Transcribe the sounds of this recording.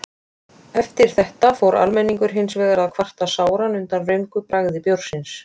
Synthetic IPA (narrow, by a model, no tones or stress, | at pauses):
ɛft̪ɪɾ̥θɛht̪afowɾʔa̰lmɛnːiŋkʏɾ̥ɦɪnsvɛːðaɾaðkʰvar̥t̪asaːwɾanʏnt̪anrʏɥmkʏpɾaɣðɪpjowɾ̥sɪns